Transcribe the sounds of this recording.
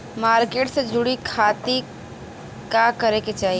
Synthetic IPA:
maːɾkeːʈsed͡ʒʊɽikʰaːt̪i | kakəɾeket͡ʃaːɦie

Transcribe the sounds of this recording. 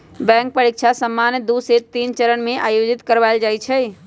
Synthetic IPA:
bɛ̃ŋk̚pəɾikt͡ʃʰasəmːanjəd̪uset̪int͡ʃəɾəɳmẽʔajod͡ʒit̪kəɾʋaɪld͡ʒajt͡ʃʰɛ

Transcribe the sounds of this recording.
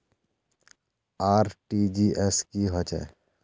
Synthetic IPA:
aːɾʈid͡ʒiʔɛskiɦɔt͡ʃɛ̰

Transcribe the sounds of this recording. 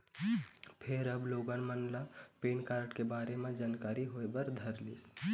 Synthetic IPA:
pʰeɾəbloɡənmənlapenkaɾəʈkebaɾemed͡ʒaːnkaɾiɦoebəɾd̪ʱəɾlis

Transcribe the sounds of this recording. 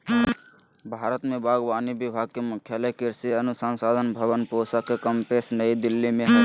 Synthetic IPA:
bʱaːɾət̪mẽbaːɡʋaːnibɪbʱaːɡ̚kemʊkʰjaːləkɪɾsiənʊsaːnsaːd̪ʱənbʱəʋənpoːsakekəmpeːsnəid̪ɪlːimẽɦɛ

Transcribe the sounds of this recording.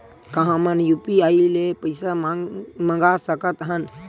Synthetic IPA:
kɐɦãmɐnjupiaːilepɐɪsamamɐ̃ŋɡasəkət̪ɦɐn

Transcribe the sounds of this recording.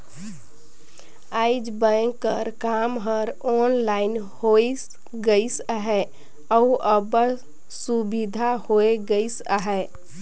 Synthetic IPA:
aɪd͡ʒbə̃ŋɡkə̰ɾkamɦəɾɔnlaɪn | hois | ɡəisəɦɛ | əuəbə | subid̪ʱahoeɡəɪsə̰ɦɛ

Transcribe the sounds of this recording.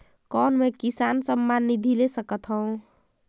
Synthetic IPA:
kɔnmekisansəmːanːid̪ʱilesəkət̪ʰɦʌũ

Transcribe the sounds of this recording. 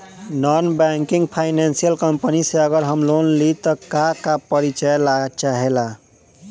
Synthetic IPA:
nɔnbaŋkiŋɡpʰaɪnansijəlkəmpəniseəɡəɾɦəmlonlit̪ɔkakapəɾit͡ʃəjlat͡ʃaɦela

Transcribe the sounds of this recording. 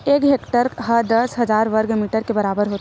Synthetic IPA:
eːkɦeːkʈəɾɦəd̪əsɦɐd͡ʒaːɾʋəɾɡmiːʈəɾkebɐɾaːbəɾɦoːt̪

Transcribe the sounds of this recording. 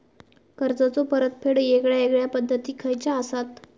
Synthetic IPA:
kəɾd͡zat͡sopəɾət̪pʰeɽjekɭjaekɭjapəd̪ʱːət̪iːkʰəjt͡ɕaəsat̪

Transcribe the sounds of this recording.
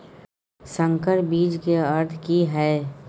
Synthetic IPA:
sə̃ŋkəɾbiːd͡ʒkeɐɾt̪ʰkiɦɛː

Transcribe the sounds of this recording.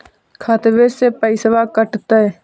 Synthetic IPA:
kʰat̪ʋesepəɪsəʋakəʈt̪ə

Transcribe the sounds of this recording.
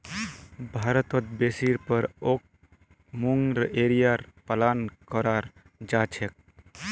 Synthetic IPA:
bʱaːɾət̪ɔt̪̚besiɾpəɾok̚ | muŋɡɾeːɾijaɾpəlaːnkɔɾaːɾ | d͡ʒaːt͡ʃʰek̚

